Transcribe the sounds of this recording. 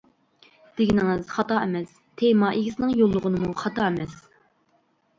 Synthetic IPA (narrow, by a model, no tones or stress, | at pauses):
d̪̥eɡʲinɪŋɪz̥χɑt̪ɑɛmɛs | t̪ʰemɑʔeɡʲisɪnɪŋjolˠːʊʁənɨmuχɑt̪ɑɛmɛs